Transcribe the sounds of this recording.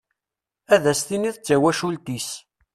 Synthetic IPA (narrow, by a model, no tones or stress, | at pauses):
æðæst̪iniθət͡sːæwæʃult̪is